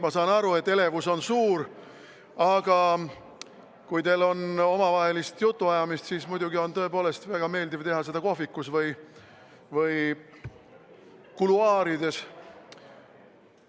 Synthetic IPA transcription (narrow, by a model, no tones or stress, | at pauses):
mɑsɑːnɑɾue̞t̪ːe̞le̞vuso̞nsuːɾ | ɑɡ̥ɑ | kujt̪e̞lo̞no̞mɑvɑɦe̞list̪jut̪ːuɑjɑmist̪siːsmujd̪uɡio̞nt̪ɤ̞e̞po̞ːle̞st̪væɡ̥ɑme̞ːld̪ivt̪e̞ɦɑse̞d̪̥ɑko̞ɦvikːˑusvɤj | vɯj | kuluɑːɾid̪e̞s